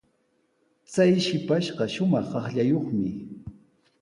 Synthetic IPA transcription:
t͡sajʃɪpaʃɢɑʃʊmɑχːɑχʎajoχmɪ

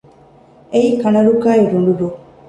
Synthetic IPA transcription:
eiːkɐnɐɾukaːiɾuɳɖuɾu

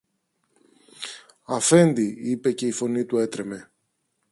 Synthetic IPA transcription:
ɐfe̞nd̪iipe̞ce̞ifo̞nit̪ue̞t̪ɾe̞me̞

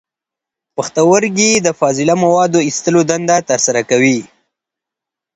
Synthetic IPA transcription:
pəxt̪awəɾɡid̪əfɑzɪlamawɑd̪oist̪əlod̪and̪at̪əɾsaɾakawi

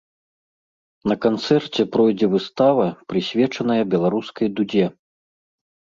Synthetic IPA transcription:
nɐkant̪sɛrt͡sʲɛpɾɔjd͡zʲɛvɨst̪avɐpɾɨsʲvʲɛt͡ʂɐnɐjɐbʲɛlˠaɾuskɐjd̪ud͡zʲɛ

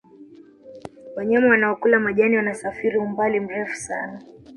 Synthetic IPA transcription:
waɲamɛwanaɔkulamaʄaniwanasafiɾiumbalim̩ɾɛfu̥sa̰na

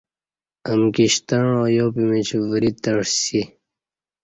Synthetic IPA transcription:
əmkiɕt̪əɳoːjopimit͡ɕvəɾit̪əɽsi

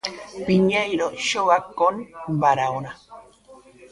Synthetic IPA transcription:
piɲajɾoʃowakonbaɾaoɾa

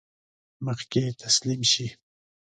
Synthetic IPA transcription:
mɑqkeːt̪ʰaslɪmʃi

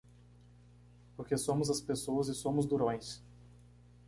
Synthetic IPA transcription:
poɾkesõmʊzɐspesowɐzɪsõmʊzd̪uɾõj̃s

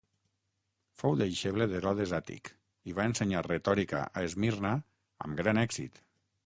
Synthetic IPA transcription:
fowðejʃeβleðeɾɔðezat̪ḭk | iβaenseɲaret̪ɔɾika̰ʔaezmirna | ə̰mɡɾanɛksḭt̪

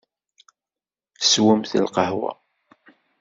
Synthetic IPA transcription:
swəmθəlqɑhwæ̰

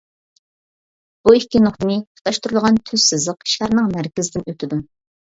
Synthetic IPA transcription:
b̥uikʲːinʊχt̪ɨnɨə̥t̪ʰɑʃt̪uɾulˠʁɑnt̪ʰyz̥sɨzəqʃæɾnɨŋmæɾkʲɪzɪd̪ɪnøt̪ʰɪd̪u

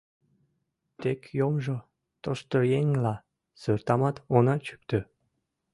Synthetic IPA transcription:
t̪ekjomʒo | t̪oʃt̪ojeŋlɑ | sørt̪ɑmɑt̪onɑt͡ɕy̥k̚t̪ø

